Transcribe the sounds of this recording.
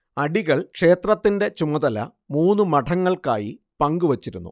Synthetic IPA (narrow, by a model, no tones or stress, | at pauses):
ɐɽiɣɐɭkʂe̞ːt̪rɐt̪ːinde̞t͡ɕumɐðɐlɐ̰ | muːnːumɐʈʰɐŋːɐɭka̰ːji | pɐŋɡuʋɐt͡ɕːiɾunːṵ